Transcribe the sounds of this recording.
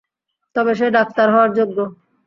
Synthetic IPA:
t̪ɔbeʃ̬eɖak̚t̪aɾɦɔaɾd͡ʑoɡːo

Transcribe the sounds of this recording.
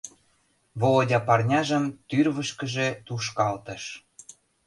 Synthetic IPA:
βolodʲɑpɑrnʲɑʒə̆mt̪yrβəʃkə̆ʒet̪uʃkɑlt̪ə̆ʃ

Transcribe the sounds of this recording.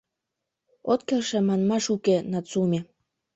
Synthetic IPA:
ot̪̚kelʃĕmɑnmɑʃukenɑt͡sumʲe

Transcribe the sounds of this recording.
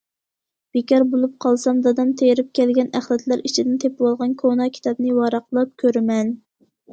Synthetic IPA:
b̥ekʲɑɾbolˠup̚qʰɑlˠsɑmd̪ɑd̪ɑmt̪ʰejɾɪp̚kʲɛlɡʲɛnæχlɛt̪ʰlæɾit͡ʃʰid̪ɪnt̪ʰepwɑlˠʁɑnkʰonɑkʲʰi̥t̪ɑbnɨwɑɾɑqlˠɑp̚kʲʰøɾɪmɛn

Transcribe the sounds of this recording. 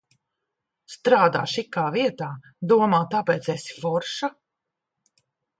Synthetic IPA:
st̪ɾaːd̪a̰ːʃikːaːviɛt̪aː | d̪uɔmaːt̪apɛːt̪sesi̥fɔɾʃa

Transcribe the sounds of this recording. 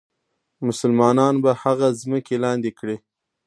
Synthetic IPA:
mʊsʊlmɑnɑnbahaɣazməkelɑnd̪ekɽe

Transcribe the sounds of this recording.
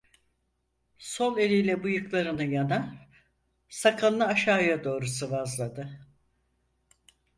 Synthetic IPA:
so̞ne̞lʲijlʲɛbujɯklˠaɾɯnɯjana | sakʰannaːʃaːjad̪o̞ːɾusɯvazlˠad̪ɯ

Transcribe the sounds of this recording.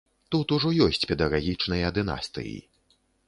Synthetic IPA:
t̪ut̪uʐɔjɔsʲt͡sʲpʲɛd̪ɐɣaɣʲit͡ʂnɐjɐd̪ɨna̰st̪ɨ̰jḭ

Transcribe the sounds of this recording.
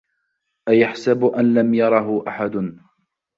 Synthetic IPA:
ʔajaħsabʔanlamjɑɾˤɑɦʊʔaħad̪ʊn

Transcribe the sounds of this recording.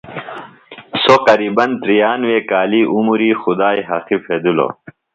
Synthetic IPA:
soqɐɾiːbɐnt̪ɾijaːnweːkaːliːʔumuɾiːxud̪aːjɦɐxifʰeːd̪ulo̰

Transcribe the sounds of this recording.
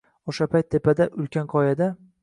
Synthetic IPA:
oʃapʰajt̪ʰːe̞pad̪aʔʊlkʲanqʰɒjad̪a

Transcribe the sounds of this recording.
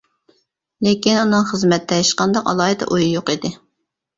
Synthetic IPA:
lekʲinunɨŋχəzmɛt̪ːɛjʃqɑnd̪ɑqɑ̰lˠɑːɦɨt̪ʰɛ̰ʔujujoqid̪ɪ

